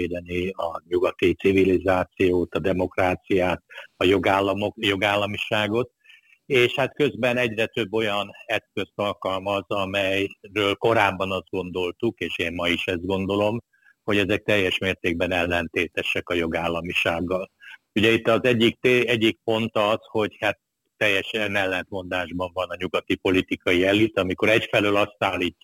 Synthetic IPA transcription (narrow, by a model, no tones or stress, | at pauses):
eːd̪ɛniɒɲuɡɒt̪it̪sivilizaːt̪sijoːt̪ɒd̪ɛmo̞kraːt̪sijaːt̪ɒjoɡaːlːɒmojo̞ɡaːlːɒmiʃaːɡo̞t̪̚ | eːʃhat̪kø̞zbɛnɛɟrɛt̪ø̞bːo̞jɒnɛskø̞st̪ɒlkɒlmɒzɒmɛjrøːlko̞ɾaːbːɒnɒzd̪̚ɡo̞nd̪o̞lt̪ukeːʃeːnmɒiʃɛzd̪̚ɡo̞nd̪o̞lo̞m | ho̞ɟɛzɛk̚t̪ɛjːɛʃmeːrt̪eːɡ̚bɛnɛlːɛnt̪eːt̪ɛʃɛkɒjo̞ɡaːlːɒmiʃaːɡːɒl | uɟɛit̪ːɒzɛɟːik̚t̪eɛɟːik̚po̞nt̪ɒzho̞ɟhat̪ː | ɛjːɛʃɛnɛlːɛnt̪mo̞nd̪aːʒbɒɱvɒnɒɲuɡɒt̪ipo̞lit̪ikɒjiɛlit̪ɒmiko̞ɾɛcfɛløːlɒst̪aːlːiːcː